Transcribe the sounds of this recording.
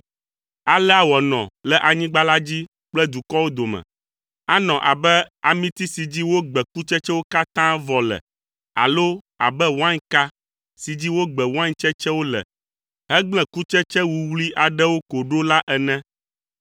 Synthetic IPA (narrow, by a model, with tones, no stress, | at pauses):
a˨lɛ˦a˦wɔ˨nɔ̰̃˨lɛ˦ʔa˨ɲĩ˦ɡ͡ba˦la˦d͡ʑi˦ | k͡plɛ˦d̪u˨kɔ˦wo˦d̪o˨mɛ̰̃˨ | a˦nɔ̃˨ʔa̰˨bɛ˦a˨mĩ˦t̪i˦si˨d͡ʑi˦wo˦ɡ͡bɛ˨ku˦t͡ʃɛ˦t͡ʃɛ˦wo˦ka˦t̪ã˦vɔ˨lɛ̰˨ | a̰˨lo˦ | a̰˨bɛ˦wã˦ɲka˦ | si˨d͡ʑi˦wo˦ɡ͡bɛ˨wã˦ɲt͡ʃɛ˦t͡ʃɛ˦wo˦lɛ̰˨ | ɦɛ˦ɡ͡blɛ̃˨ku˦t͡ʃɛ˦t͡ʃɛ˦wu˨wli˦ʔa˨ɖɛ˦wo˦ko˨ɖo˦la˦ʔɛ˨nɛ̃˦